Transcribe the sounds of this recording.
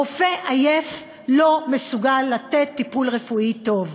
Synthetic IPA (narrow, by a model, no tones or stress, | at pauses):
ofeʔajef | lo̞mesuɡalːat̪et̪ːipulʁefuit̪o̞v